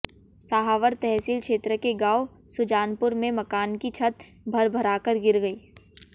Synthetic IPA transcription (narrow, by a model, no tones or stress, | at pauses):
saːɦaːʋəɾt̪ɛɦsilkʃeːt̪ɾəkeɡaːosʊd͡ʒaːnpʊɾmẽmɐkaːnkit͡ʃʰɐt̪bʱɐɾbʱɐɾaːkəɾɡɪɾɡəiː